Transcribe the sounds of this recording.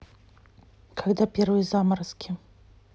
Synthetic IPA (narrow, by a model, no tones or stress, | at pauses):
kʰaɡd̪apʲervɨjəzamɐɾskʲɪ